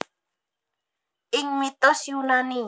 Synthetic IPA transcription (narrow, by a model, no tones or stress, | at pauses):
ɪŋmit̪osjunani